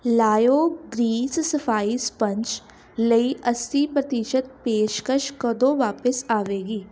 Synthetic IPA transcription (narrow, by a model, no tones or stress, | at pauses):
laːjoːɡɾiːssəfʰaːispə̃ɲt͡ʃ | ləiʔəst̪iːpɾət̪iʃət̪̚peːʃkəʃkəd̪oːʋaːpəsaːʋeːɡiː